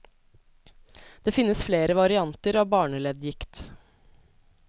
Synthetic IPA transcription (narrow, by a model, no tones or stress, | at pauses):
d̪̥eːfɪnːəsfleːɾəʋɑɾɪɑnt̪əɾɑːbɑːɳəlɛːd̪jɪkt̪